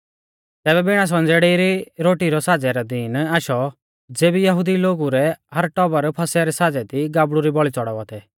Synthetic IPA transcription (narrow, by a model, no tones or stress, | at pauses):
t̪ɛːβɛbɪɽ̃as̬ɔ̃nd͡zɛːɽeɾiɾoːʈiɾɔsaːd͡zɛɾɛd̪iːnaːʃɔ | d͡zeːbijɐɦud̪iloːɡuɾɛɦɐɾʈɔbəɾpʰɐsɛɾɛsaːd͡zɛt̪iɡaːbɽuɾibɔɭit͡sɔɽɔʋat̪ʰɛ